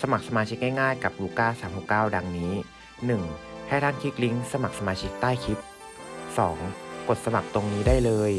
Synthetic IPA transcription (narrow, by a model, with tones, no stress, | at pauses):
sa˧ma˨˩k̚sa˧maː˧t͡ɕʰi˦˥k̚ŋa˥˩jŋaː˥˩jka˨˩p̚luː˧kaː˥˩saː˩˦mhuː˨˩p̚kaː˥˩wda˧ŋniː˦˥ | nɯ˨˩ŋha˥˩jt̪ʰaː˥˩nkʰiː˦˥˩kli˦˥ŋsa˧ma˨˩k̚sa˧maː˧t͡ɕʰi˦˥k̚t̪aː˥˩jkʰi˦˥t̪̚ | sɔː˩˦ŋko˨˩t̪̚sa˧ma˨˩k̚t̪o˧ŋniː˦˥daː˥˩jlɤː˧j